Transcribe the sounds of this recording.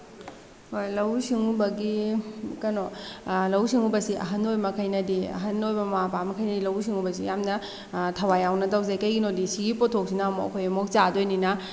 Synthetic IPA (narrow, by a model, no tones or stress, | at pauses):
hojlɐwsiŋubɐɡikɐnolɐwsiŋubɐsiʔɐ̰ɦɐnːojmɐkʰɐjnɐdiɐ̰ɦɐnːojbɐmapamɐkʰɐjnɐdilɐwsiŋubɐs̬ḭjamnɐ | tʰɐwajawnɐtɐwzajkɐjɡinodisiɡipotʰːok̚sinamoɐ̰kʰojɐmok̚t͡ʃadojninɐ